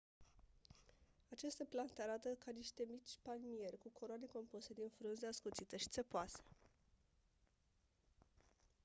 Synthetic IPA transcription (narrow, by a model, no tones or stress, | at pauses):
at͡ʃest̪eplant̪eaɾat̪əkaniʃt̪e̞mit͡ʃʲpalmije̞rʲkukʰoɾoane̞ko̞mpuse̞d̪infɾunzeaskut̪sit̪əʃi̥t̪sepoase̥